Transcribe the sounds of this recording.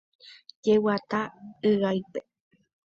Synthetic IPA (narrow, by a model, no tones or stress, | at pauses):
d͡ʒewat̪aɨɣajpe